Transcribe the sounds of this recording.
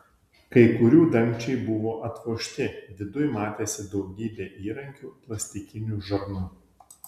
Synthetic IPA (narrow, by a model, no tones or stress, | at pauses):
kɐɪkʊɾʲuːd̪ɐmʲt͡ʃʲɛɪbʊʋoːʔɐt̪ʋoːʃʲt̪ʲɪd̪ʲɪd̪ʊjmɑːt̪ʲeːsʲɪd̪ɒʊɡʲiːbʲeːʔiːɾɐŋʲkʲuːplˠɐsʲt̪ʲɪkʲɪnʲuːʒɐɾnʊ